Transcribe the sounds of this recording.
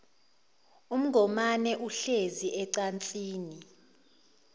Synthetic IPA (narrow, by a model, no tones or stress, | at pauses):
um̩ɡʱɔmanɛʔuɬeziʔɛǀant͡sʼiːni